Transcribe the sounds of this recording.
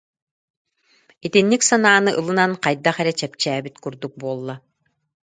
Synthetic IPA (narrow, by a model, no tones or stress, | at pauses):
it̪inːiksanaːnɯʔɯlˠɯnanqajd̪aχɛɾɛt͡ɕɛp̚t͡ɕæːbit̪kuɾd̪uk̚buɔlˠːa